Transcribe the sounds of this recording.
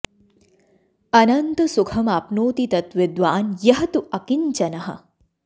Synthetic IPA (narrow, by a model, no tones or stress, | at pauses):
ɐnɐnt̪ɐsukʰɐmaːpnoːt̪it̪ɐt̪ʋɪd̪ʋaːnjɐɦɐt̪uʔɐkiɲt͡ʃɐnɐɦɐ̰